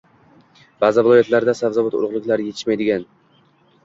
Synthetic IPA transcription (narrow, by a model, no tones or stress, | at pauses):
b̥aːzɪvɪlˠɒjat̪laɾd̪asavzabɒt̪ʊ̰lˠʁlˠɪkʲlaɾjeɪ̥ʃmajd̪ɪɡʲan